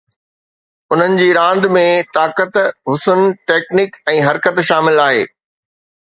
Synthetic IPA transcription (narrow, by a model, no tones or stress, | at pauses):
ʊn̤ənɪ̆d͡ʑiːɾãːnd̪mẽt̪aːkət̪ɦʊsənʈeːknɪkɛ̃ːɦɐɾkət̪ʃaːmɪlaːɦeː